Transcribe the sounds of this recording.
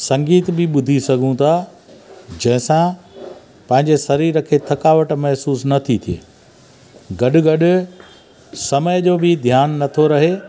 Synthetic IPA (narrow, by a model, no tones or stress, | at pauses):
sɐ̃ŋɡiːt̪bɪɓʊd̪ʱisɐɡʱũt̪ʰa | d͡ʑɐ̃ɦɪ̃sã | pɐ̃ɦɪ̃ɲd͡ʑesɐɾiːɾəkʰeːt̪ʰɐkaːʋəʈmɐɦsuːsnɐt̪ʰit̪ʰijḛː | ɡɐɗʊ̆ɡɐɗʊ̆ | sɐməjd͡ʑoːbɪd̪ʱjaːnːɐt̪ʰoɾɐɦeː